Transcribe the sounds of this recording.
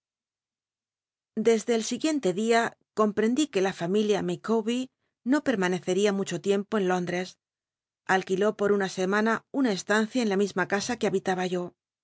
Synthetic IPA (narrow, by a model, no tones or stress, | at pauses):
d̪e̞zðe̞ːlsiɣje̞nt̪e̞ðiako̞mpɾe̞nd̪ike̞lafamiljamikoβi | no̞pe̞ɾmane̞θe̞ɾiamut͡ʃo̞t̪je̞mpo̞e̞nlo̞nd̪ɾe̞s | alkilo̞po̞ɾunase̞mãnaunae̞st̪an̟θjae̞nlamizmakasakeaβit̪aβaʝo̞